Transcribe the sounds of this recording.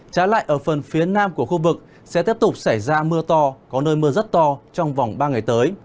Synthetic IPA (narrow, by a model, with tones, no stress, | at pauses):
t͡ɕaː˨˦la̰ː˧˨jʔəː˧˩fə˨˩nfi˨˦ənaː˧mku˧˩əxu˧vɨ˨˩k̚ | sɛ̰˧˥t̪i˦˥əp̚t̪ʊ˨˩k͡p̚sa˧˩jzaː˧mɨ˧ət̪ɔ˧kɔ˨˦nəː˧jmɨː˧əzə˦˥t̚t̪ɔ˧t͡ɕɔ˧wŋ͡mva˨˩wŋ͡mɓaː˧ŋa˨˩jt̪əː˨˦j